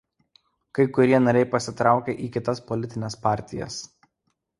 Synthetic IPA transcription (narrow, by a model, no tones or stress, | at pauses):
kɐɪkʊɾʲiɛnɐɾʲɛɪpɐsʲɪt̪ɾɑˑʊkʲɛʔiːkʲɪt̪ɐspɔlʲɪt̪ʲɪnʲɛspɑˑɾʲt̪ʲɪjɛ̰s